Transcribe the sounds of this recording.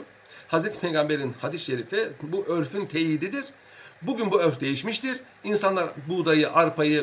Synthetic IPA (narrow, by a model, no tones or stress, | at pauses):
hazɾet̪ʰi̥pʰe̞jɡambe̞ɾinhad̪isʃeɾifibuʔøɾfynt̪ʰejiːd̪id̪iɾ̥ | buɟynbuøɾfd̪e̞jiʃmiʃt̪ʰiɾ | insanlˠaɾbud̪ajɯʔaɾpʰajɯ